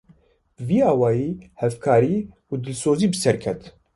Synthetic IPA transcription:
b̥ɨviːaːwɑːjiːhɛvkʰaːɾiː | uːd̪ɨlsoːziːbɨsɛɾkʰɛt̪

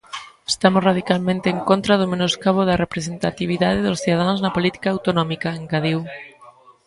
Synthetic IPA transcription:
est̪amʊsraðikalmẽnt̪eːŋkont̪ɾɐðʊmenoskaβoðɐrepɾesent̪at̪iβ̞iðaðeðʊsθiðaðanznɐpolit̪i̥kaːwt̪onɔmikɐeŋɡaðiw

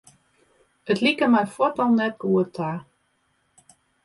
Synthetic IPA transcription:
ətlikəmɛjfwɔtɔlˠnɛt̚ɡ̥uətʰa

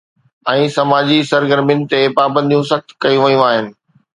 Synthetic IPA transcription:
ɛ̃ːsɐmaːd͡ʑisɐɾɡəɾmɪ̃nt̪epaːbə̃nd̪ʱijũsɐxt̪kɐjũʋɐjũaːɦɪnɪ̆

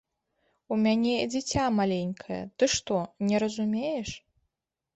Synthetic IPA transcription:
umʲanʲɛd͡zʲit͡sʲamalʲenʲkʰɐjɐ̰t̪ɨʂt̪ɔnʲɛɾɐzumʲejɛʂ

